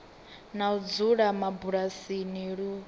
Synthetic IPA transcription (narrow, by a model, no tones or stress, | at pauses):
naud͡zuɺamabuɺasiniɺu